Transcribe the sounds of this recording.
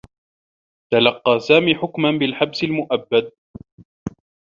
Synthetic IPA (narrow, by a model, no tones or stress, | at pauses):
t̪alɑqːɑːsaːmiːħʊkmanbɪlħabsɪlmʊʔabːad̪̚